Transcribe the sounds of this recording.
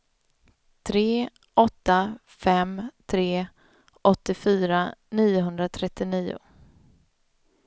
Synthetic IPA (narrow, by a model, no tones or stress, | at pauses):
t̪ʰɾeː | ʔɔt̪ːa | fɛmt̪ʰɾeː | ʔɔt̪ːɪfyːɾaniːʊɦɵnd̪ɾat̪ʰɾɛt̪ːɪniːʊ̰